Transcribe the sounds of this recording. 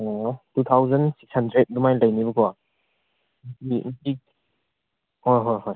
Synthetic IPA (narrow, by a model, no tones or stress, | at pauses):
tut̪ʰawzɐnsi̥kshandɾet̚dumajlajnibɯkʰɔ | ipik̚ | hojɦɔjɦɔj